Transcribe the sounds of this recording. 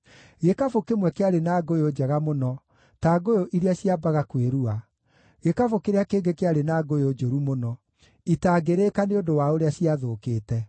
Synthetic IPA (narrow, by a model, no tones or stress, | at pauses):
ɣekafokemwɛkeaɾenaːɡoeod͡ʑɛɣamonɔ | taːɡojoʔiɾeaɕiabaɣakweɾua | ɣekafokeɾeakeːɡekeaɾenaːɡoeod͡ʒoɾumonɔ | itaːɡeɾekaneodowaoɾeaɕiaðokeːtɛ